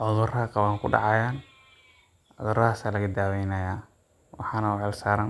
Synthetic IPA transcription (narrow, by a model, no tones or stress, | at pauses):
ʔɔðʊrɐqɑβaːŋkʰʊ̰ɖɑ̰ʕɑjaːn | ʕɔðʊrɐɦaːsaːlɐɣɐd̪aːwɛjnɐjaː | wʔɑħɑːnɐʊʕɛlsaːɾɐn